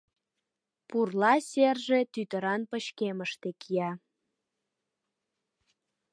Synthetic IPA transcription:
purlɑserʒet̪yt̪əɾɑnpəɕkeməʃt̪ekʰijɑ

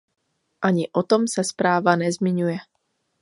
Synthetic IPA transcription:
ʔaɲɪʔot̪omsaspɾaːvanɛzmɪɲujɛ

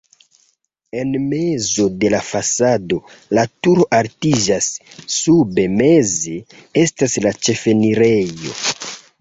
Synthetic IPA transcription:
e̞nmezo̞de̞lafasado̞ | latuɾo̞ʔaɾtid͡ʒasːube̞me̞ze̞e̞staslat͡ʃe̞fe̞niɾejo̞̰

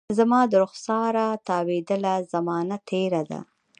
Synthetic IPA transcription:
zamɑd̪əɾʊxsɑɾat̪ɑwed̪əlazamɑnat̪ʰeɾad̪a̰

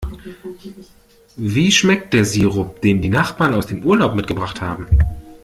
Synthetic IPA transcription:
viːʃmɛk̚t̚d̥eːɐziːʁʊp̚d̥eːmdiːnaχb̥aːɐnaʊsd̥eːmʔuːɐlaʊpmɪtɡ̥əbʁaχtha̰ːbm̩

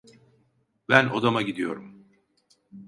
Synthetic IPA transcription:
bæno̞d̪amaɟid̪ijo̞̰ɾum

